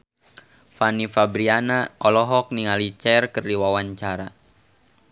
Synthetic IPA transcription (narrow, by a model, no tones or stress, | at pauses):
fanifabɾianaʔɔlɔɦɔk̚niŋalit͡ʃɛrkərdiwawaɲt͡ʃaɾa